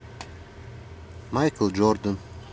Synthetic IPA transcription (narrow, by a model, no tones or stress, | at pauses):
majkʰəlˠd͡ʒɔɾd̪ən